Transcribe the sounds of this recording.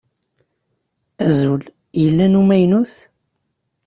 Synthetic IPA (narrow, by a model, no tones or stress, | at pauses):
æzul | jəlːænumæjnuθ